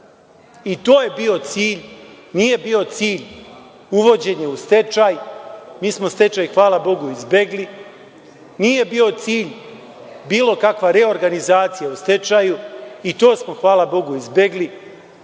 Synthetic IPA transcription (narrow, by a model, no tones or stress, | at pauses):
it̪o̞ːje̞bio̞t̪siːʎ | nije̞biːo̞t̪siːʎ | uʋo̞d͡ʑe̞ɲeust̪e̞t͡ʃajmiːsmo̞st̪e̞t͡ʃajxʋaːlabo̞ɡuizbeɡli | nije̞biːo̞t̪siːʎ | biːlˠo̞kakʋaɾe̞o̞ɾɡanizaːt̪sijaust̪e̞t͡ʃajuit̪o̞ːsmo̞xʋaːlabo̞ɡuizbjeɡli